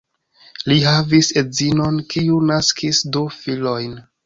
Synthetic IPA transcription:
liɦavise̞zino̞nkiunaskʰisdufilo̞jn

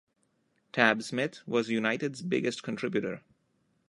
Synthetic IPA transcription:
ʈʰæbsmɪt̪ʰʋɔzjunaɪʈɪɖzbɪ̰ɡəsʈkə̃nʈʰɾɪbjuʈə̰ɾ

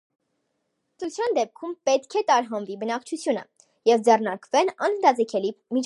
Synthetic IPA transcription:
t͡st͡sʰjɑnd̪ɛp̚kʰumpɛt̪kʰɛt̪ɑɾɦɑnvibənɑkt͡ʃʰut͡sʰjunə̰ | jɛvd͡zɛrnɑɾkvɛnɑnnd̪ɑd͡zɛkʰɛlimit͡ʃʰ

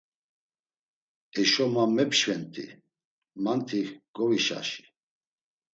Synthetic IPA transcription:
ɛʃɔmamɛpʃvɛnt̪ʼḭ | mant̪ʰiɡɔviʃa̰ʃi̥

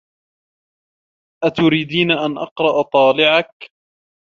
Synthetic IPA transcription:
ʔat̪ʊɾiːd̪iːnaʔanʔɑ̰qɾˤɑʔt̪ˤɑːlɪʕak

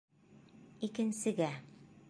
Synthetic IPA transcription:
ikɘ̆nsɘ̆ɡæ

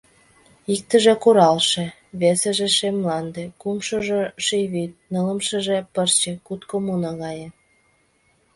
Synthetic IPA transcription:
ik̚t̪ə̆ʒĕkuɾɑlʃĕ | βesĕʒeʃemlɑnd̪ĕkumʃɤ̆ʒeʃeβit̪̚nələ̆mʃə̆ʒepərt͡ɕĕkut̪komunɑɣɑjĕ

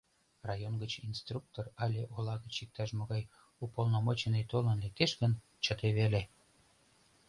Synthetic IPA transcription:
rɑjonɡət͡ɕinst̪ruk̚t̪orɑlʲeʔolɑɣət͡ɕik̚t̪ɑʃmoɣɑj | upolnomot͡ɕenet̪olənlek̚t̪eʃɡən | t͡ɕət̪eβele

